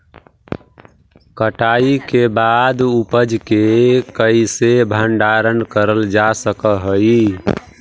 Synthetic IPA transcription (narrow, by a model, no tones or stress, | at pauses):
kəʈaikebad̪upəd͡ʒkekəisebʱəɳɖaɾənkəɾəld͡ʒasəkəɦəji